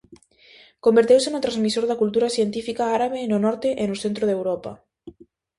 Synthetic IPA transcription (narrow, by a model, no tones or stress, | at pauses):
kombeɾt̪ewsenʊt̪ɾazmisoɾðɐkult̪uɾasjent̪ifikaaɾaβenʊnɔɾt̪ɪʔenʊsθent̪ɾoðewɾɔpɐ̰